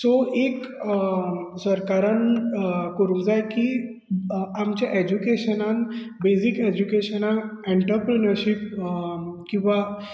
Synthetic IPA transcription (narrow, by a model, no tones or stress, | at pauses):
soʔek | səɾkaɾəɳkəɾuːmd͡zajki | amt͡ɕjaʔed͡ʑukeɕənan | beziked͡ʑukeɕənaneɳʈəɾpɾinəɾɕip | kĩw̃ʋa